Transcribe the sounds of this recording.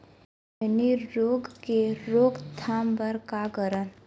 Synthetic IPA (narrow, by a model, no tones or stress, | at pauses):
mɛniɾoːɡkeɾoːɡt̪ʰaːmbəɾkaɡəɾən